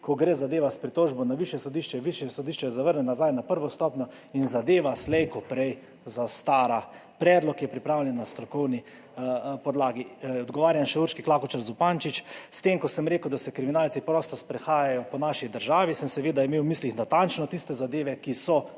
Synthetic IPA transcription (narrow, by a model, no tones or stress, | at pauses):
kɔɡɾeːzad̪eːʋaspɾit̪oːʒbɔnaʋiʃjɛsɔd̪iʃt͡ʃɛʋiʃjɛsɔd̪iʃt͡ʃɛjɛzaʋəɾnɛnazajnapəɾʋɔst̪ɔpnɔ | inzad̪eːʋaslɛjkɔpɾɛj | zast̪aːɾapɾɛːd̪lɔkjɛpɾipɾawljɛnːast̪ɾɔkɔwni | pɔd̪laːɡiɔd̪ɡɔʋaːɾjamʃɛuɾʃkiklakɔt͡ʃaɾzupant͡ʃit͡ʃst̪emkɔsəmɾeːkəwd̪asɛkɾiminaːlt̪sipɾɔst̪ɔspɾɛxaːjajɔpɔnaʃid̪əɾʒaːʋisəmsɛʋeːd̪aimewmislixnat̪ant͡ʃnɔt̪ist̪ɛzad̪eːʋɛkisɔ